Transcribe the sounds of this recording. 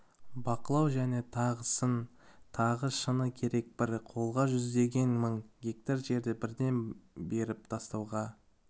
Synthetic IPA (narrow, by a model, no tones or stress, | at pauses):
bɑqəlˠɑwʒæne̞t̪ʰɑʁəsən | t̪ʰɑʁəʃənəkʲʰe̞ɾe̞k̚bɪɾqʰo̞lˠʁɑʒʏzd̪e̞ɡʲe̞nməɴɡʲek̚t̪aɾʒe̞ɾd̪ebɪɾd̪e̞nbe̞ɾɪp̚t̪ʰɑst̪ɑwʁɑ